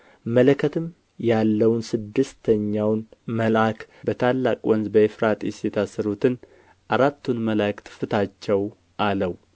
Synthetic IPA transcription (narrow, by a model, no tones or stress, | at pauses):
mələkʰət̪ʰɨm | jalːəwnsɨd̪ːɨst̪ʰəɲːawnməlakʰ | bət̪ʰalːakʼwɔnzbəefɾat̪ʼisjɛt̪ʰasːəɾut̪ʰɨn | ʔaɾat̪ʰːunməlakt̪ʰɨ̥fɨt̪ʰat͡ʃːɛw | ʔaləw